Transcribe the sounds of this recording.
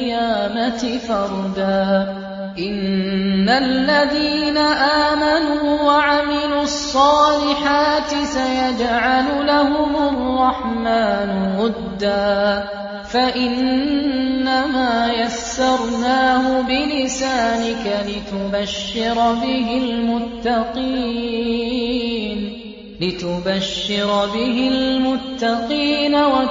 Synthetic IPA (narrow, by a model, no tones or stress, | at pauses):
jaːmat̪ɪfɑɾˤd̪aː | ʔɪnːalːaðiːnaʔaːmanuːwaʕamɪluːɑsˤːɑːlɪħaːt̪ɪsajad͡ʒʕalʊlahʊmarˤːɑħmaːnʊwʊd̪ːaː | faʔɪnː | amaːjasːɑɾˤnaːhʊbɪlɪsaːnɪkalɪt̪ʊbaʃːɪɾˤɑbɪɦɪlmʊt̪ːɑqiː | n | lɪt̪ʊbaʃːɪɾˤɑbɪɦɪllmʊt̪ːɑqiːnawa